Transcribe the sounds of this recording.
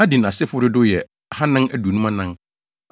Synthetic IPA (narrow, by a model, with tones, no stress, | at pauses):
a˦dĩ˨n˨ã˨sɪ˦fʊ˦ɾɪ˦dʊ˦jɛ˨ | ha˦nɪ̃˦næ˦du˨nũ˦mã˦nã˦ŋ